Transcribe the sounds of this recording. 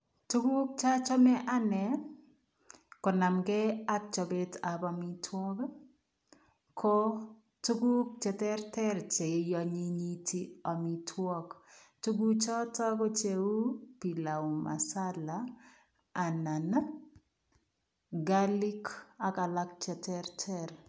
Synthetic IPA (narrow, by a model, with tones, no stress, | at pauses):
tu˦ɡu˦k̚t͡ʃa˦t͡ʃɔ˦mɛ˦ʔa˦nɛ˨ | kɔ˨na˨mɡɛ˦a˦k̚t͡ʃɔ˨bɛ˦ta˨ba˨mi˦tʰwɔ˦k | kʰɔ | tu˦ɡu˦k̚t͡ʃɛ˨tɛ˦ɾtɛ˦ɾt͡ʃe˨jɔ˨ɲi˦ɲi˦tʰi˦ɔ˨mi˨tʰwɔ˦ktu˦ɡu˦t͡ʃɔ˦tɔ˦kɔ˦t͡ʃe˨˦u˦pi˨la˨u˨ma̰˨sa˦laː˨ | na˨n | ɡali˦ka˨ka˨la˦kt͡ʃɛ˨tʰɛɾtʰɛɾ